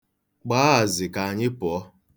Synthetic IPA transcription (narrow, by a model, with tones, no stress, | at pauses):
ɡ͡baː˦a˨zɪ˨ka˨a˨ɲɪ˦pʊ˨ɔ˦